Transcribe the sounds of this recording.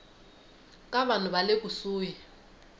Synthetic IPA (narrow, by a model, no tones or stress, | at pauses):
kʼaβan̤uβalekʼusuːji